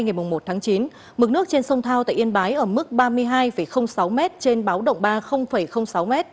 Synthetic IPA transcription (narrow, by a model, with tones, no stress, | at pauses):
jŋa˨˩jmʊ˨˩ŋ͡mmo˨˩t̚t̪ʰaː˨˦ŋt͡ɕi˨˦n | mɨ˨˩k̚nɨ˦˥ək̚t͡ɕe˧nsə˧wŋ͡mt̪ʰaː˧wt̪a̰ː˧˨ʔi˧ənɓaː˨˦jʔəː˧˩mɨ˦˥k̚ɓaː˧mɨ˧əjɦaː˧jfə˧˩jxə˧wŋ͡msa˨˦wmɛ˦˥t̚t͡ɕe˧nɓaː˨˦wɗə̰˧˨wŋ͡mɓaː˧xə˧wŋ͡mfə˧˩jxə˧wŋ͡msa˨˦wmɛ˦˥t̚